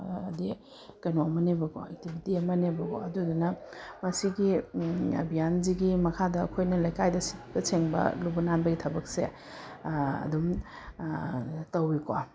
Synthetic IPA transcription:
ɐdi | kɐnoɐmɐnebɐɡo̰ek̚tibʱitiɐmɐnebɐɡo̰ɐdudunɐmɐsiɡiɐ̰bʱijanziɡimɐkʰadɐɐ̰kʰojnɐlɐjkajdɐsi̥tɐsʰeŋbɐ̰lubɐnanbɐɡitʰɐbɐk̚se | ɐ̰dum | tɐwikwa

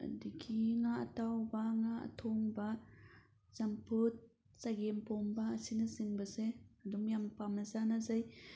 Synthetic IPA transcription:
a̰dikʰiŋaɐ̰tawbaŋaa̰tʰɔŋba | zampɯt̚ | t͡saɡempɔmbaːsinɯziŋbaseadumjampamnazanazaj

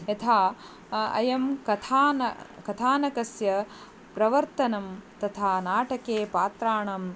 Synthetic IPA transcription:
ɐt̪ʰaː | ɐ̰jɐmkɐt̪ʰaːnɐ̰kɐt̪ʰaːnɐkɐsjɐ | pɾɐʋɐɾt̪ɐnɐmt̪ɐt̪ʰaːnaːʈɐkeːpaːt̪ɾaːɳɐm

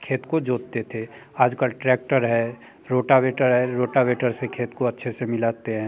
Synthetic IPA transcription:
kʰeːt̪kod͡ʒoːtt̪et̪ʰeaːd͡ʒkəlʈɾɛːk̚ʈəɾɦɛ | ɾoːʈaʋeːʈəɾɦɛɾoːʈaʋeːʈəɾsekʰeːt̪koɐtːʃʰesemɪlaːt̪eɦɛ̃ː

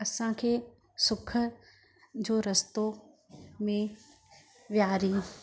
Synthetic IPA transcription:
ɐsãkʰeː | sʊkʰə | d͡ʑoːɾɐst̪o | mẽ | ʋjaːɾiː

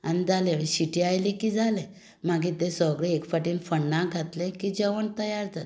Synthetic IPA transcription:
anid͡zaleiɕiʈiajlikid͡zale | m̤aɡit̪ẽsəɡɭeekfaʈinfəɳːãɡʱat̪lẽkid͡ʑeʋəɳt̪əjaɾd͡zat̪̚

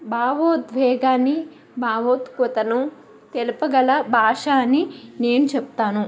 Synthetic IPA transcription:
bʱaːʋoːt̪ʋɛːɡaːni | bʱaːʋoːt̪kɔt̪ɐnu | t̪elupɐɡɐlɐbʱaːʂaːnine̞ːnut͡ʃɛp̚t̪aːnu

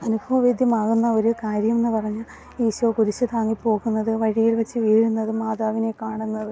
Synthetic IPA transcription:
ɐnubʱɐʋɐʋeːd̪ʱjɐmaːɣunːɐo̞ɾukaːɾjɐme̞nːɨpɐrɐɲːu | eːɕuɐkuðit͡ɕːɨt̪aːŋːipːo̞ːɣunːɐðɨʋɐɻijilʋɐt͡ɕːɨʋiːɻunːɐðɨmaːðaːʋine̞kaːɳunːɐðɨ

